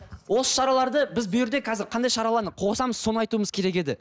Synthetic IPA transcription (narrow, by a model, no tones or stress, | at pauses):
wo̞sə̥ʃɑɾɑlˠɑɾd̪əbɪzbʊjɪɾd̪e̞kʰɑzɪɾqʰɑnd̪ɑjʃɑɾɑlˠɑɾd̪əqʰoʁsɑməz̥so̞nəɑjt̪uəməz̥kʲʰe̞ɾe̞kʲe̞d̪ɪ